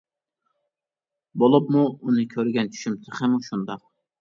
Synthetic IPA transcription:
bolˠɨpmuːnɨkʲʰøɾɡʲɛnt͡ʃʰy̥ʃymt̪ʰɪχɪmuʃund̪ɑ

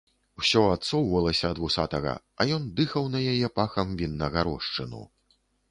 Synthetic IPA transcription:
wsʲɔat̪sɔwvɐlˠɐsʲɐːd̪vusat̪ɐɣɐ̰ | ɐ̰jɔnd̪ɨxɐwnɐjajɛpaxɐmvʲinːɐɣaɾɔʂt͡ʂɨnṵ

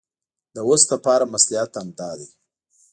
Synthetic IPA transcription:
d̪əwosd̪əpɑɾamaslijɑt̪amd̪ɑd̪i

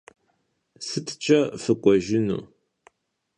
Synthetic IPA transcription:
sɨtʰt͡ʃʼɐfɨkʷʼɔʒɪnṵː

